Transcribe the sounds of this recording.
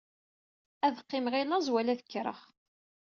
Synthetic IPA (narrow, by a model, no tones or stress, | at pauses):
æðqːɪmʁilæzwælæðəkːɾˤə̰χ